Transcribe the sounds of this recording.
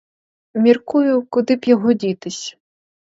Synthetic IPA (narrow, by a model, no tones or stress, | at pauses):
mʲirkujʊkʊd̪ɪpjɔɦɔdʲit̪ɪsʲ